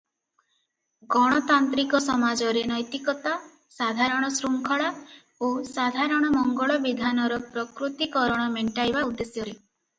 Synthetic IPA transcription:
ɡɔɽ̃ɔt̪ant̪ɾikɔsɔmad͡ʒɔɾenɔjt̪ikɔt̪a | sad̪ʱaɾɔɽ̃ɔsɾuŋkʰɔɭa | osad̪ʱaɾɔɽ̃ɔmɔŋɡɔɭɔbid̪ʱanɔɾɔpɾɔkɾut̪ikɔɾɔɽ̃ɔmeɳʈajbaud̪ːesjɔɾe

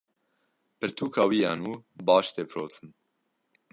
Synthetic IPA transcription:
pɨɾt̪ʰuːkʰaːwiːjɑːnuːbɑːʃt̪eːfɾoːt̪ʰɨn

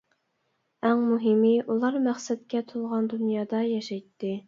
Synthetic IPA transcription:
æŋmuɦɪmɪʔulˠɑɾmæχsɛt̪kʲɛt̪ʰulˠʁɑnd̪unjɑːd̪ɑjɑʃɑjt̪ːɪ

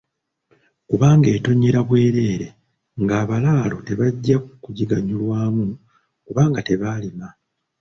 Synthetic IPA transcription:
kuβaːŋɡe̞ːto̞ɲːeɾaβwe̞ːɾe̞ːɾe̞ | ŋɡaːβalaːlo̞teβaɟːakkuɟiɡaɲulwaːmu | kuβaːŋɡate̞βaːlima

